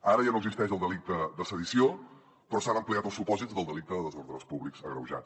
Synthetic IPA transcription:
aɾəʒanoəɡzist̪ɛʃəlˠd̪əlik̚t̪əd̪əsəðisio | pɾɔsanəmpliat̪əlˠsupɔzizðəlˠd̪əlik̚t̪əðəðəzoɾðɾəspuβlikzəɣɾə̰wʒa̰t̪

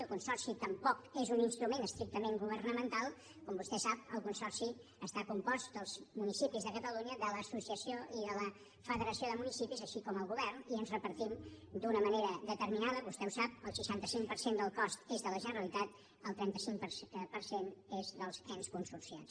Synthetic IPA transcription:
əlˠkunsɔrsit̪əmpɔkezuninst̪ɾumenəst̪ɾik̚t̪əmeŋɡuβ̞ərnəmənt̪alˠ | kɔmbust̪ɛsap̚əlˠkunsɔrsi | əst̪akumpɔst̪d̪əlˠzmunisipizðəkət̪əluɲəðələsusiəsioʔiðələ | fəðəɾəsioðəmunisipizəʃikɔməlˠɣuβɛrniənzrəpəɾt̪imd̪unəməneɾəðət̪əɾminaðəβust̪ɛusap̚əlˠsiʃant̪əsiŋpəɾsend̪əlˠkɔst̪ezðələʒənəɾəlit̪at̪ | əlˠt̪ɾɛnt̪əsiŋpəpəɾsenezðəlˠzɛnskunsursia̰ns

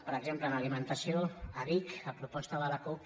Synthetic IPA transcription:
pəɾəɡzempləːnalimə̃nt̪asioaβikapɾupɔst̪əðəlaku

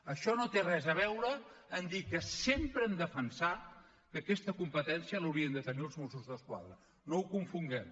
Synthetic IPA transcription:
əʃɔnot̪erɛzəβ̞ɛwɾəːnd̪ikəsempɾəəmd̪əfənsa | kəkɛst̪əkumpət̪ɛnsiələwɾiənd̪ət̪əniəlˠzmusuzðəskwa̰ðɾə | noukuɱfuŋɡɛm

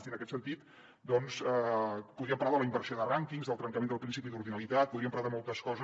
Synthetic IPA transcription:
iənəkɛt̪sənt̪it̪ | d̪ɔnsɛpuðɾiəmpəɾlaðələimbəɾsioðəraŋkiŋzðəlˠt̪ɾəŋkəmend̪əlˠpɾinsipiðuɾðinəlit̪at̪̚puðiəmpəɾaððəmɔlˠt̪əskɔzə

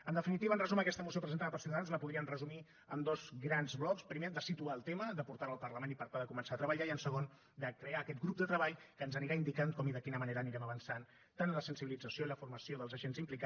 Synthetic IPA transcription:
ənd̪əfinit̪iβənrəzuməkɛst̪əmusiopɾəzənt̪aðəpəɾˠsunəðanzləpuðɾiənrəzumi | ə̰md̪ozɡɾanzβlɔkspɾimed̪əsit̪uaːlˠt̪eməðəpuɾt̪aɾəlˠpərləmenipəɾt̪aðəkumənsat̪ɾəβəʎaiənsəɣ̞on | d̪əkɾeaːkɛt̪̚ɡɾup̚d̪ət̪ɾəβaʎkəːnzəniɾaind̪ikaŋkɔmiðəkinəməneɾəːniɾɛməβənsan | t̪anləsənsiβilid͡zəsioiləfurməsioðəlˠzəʒenzimplika

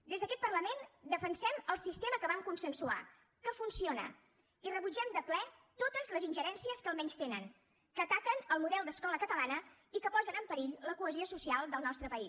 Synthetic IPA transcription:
d̪ezðəkɛt̪̚pərləmend̪əfənsɛməlˠsist̪eməkəβamkunsənsua̰ | kəfunsionə̰ | irəβud͡ʒɛmd̪əplɛt̪ot̪əzləzinʲʒəɾɛnsiəskəlˠmɛɲst̪enən | kət̪akənəlˠmuðɛlˠd̪əskɔləkət̪əlanə | ikəpɔzənəmpəɾiʎləkuəziosusialˠd̪əlˠnɔst̪ɾəpəis

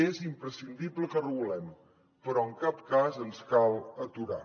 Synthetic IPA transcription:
ezimpɾəsind̪ibləkərəβulɛm | pəɾɔəŋkap̚kazənskalˠət̪uɾa̰

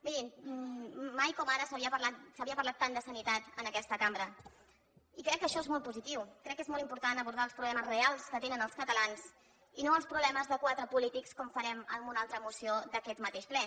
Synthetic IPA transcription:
miðinː | ajkɔmaɾəsəβiəpəlat̪səβiəpəɾlat̪ːand̪əsənit̪at̪ənəkɛst̪əkambɾə | ikɾɛkːəʃɔezmɔlˠt̪puzit̪iwkɾɛkːezmɔlˠimpuɾt̪anəβuɾð̞aəlˠspɾuβlɛməzrealˠskət̪enənəlˠskət̪əlans | inoəlˠspɾuβlɛməzðəkwat̪ɾəpulit̪ikskɔɱfəɾɛməmbunalˠt̪ɾəːmusiod̪əkɛt̪mət̪eʃplɛ

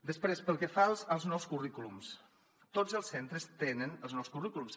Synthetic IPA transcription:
d̪əspɾespəlˠkɛfalˠzəlˠznɔwskurikulums | t̪od͡zəlˠsːent̪ɾəst̪enənəlˠznɔwskurikulums

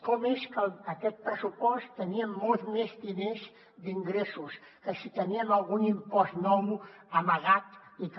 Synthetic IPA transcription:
kɔmeskəlakɛt̪̚pɾəsupɔst̪ːəniɐmːɔlˠt̪mezd̪inez | d̪iŋɡɾɛsus | kəsit̪əniəmalˠɣunimpɔst̪nɔmuamaɣat̪ik

